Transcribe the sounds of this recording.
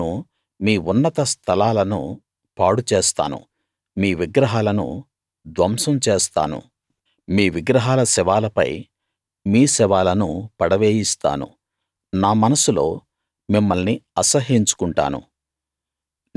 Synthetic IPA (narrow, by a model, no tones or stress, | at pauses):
u | miːunːɐt̪ɐst̪ʰɐlaːlɐnṵ | paːɽut͡ʃeːst̪a̰ːnṵ | miːʋiɡɾɐɦaːlɐnṵ | d̪ʋɐmsɐmt͡ʃeːst̪a̰ːnṵ | miːʋiɡɾɐɦaːlɐsɛʋaːlɐpɐ̰j | miːsɛʋaːlɐnupɐɽɐʋeːjist̪a̰ːnṵ | naːmɐnɐsulo̞ː | mimːɐlniɐsɐɦiɲt͡ʃu̥kuɳʈa̰ːnṵ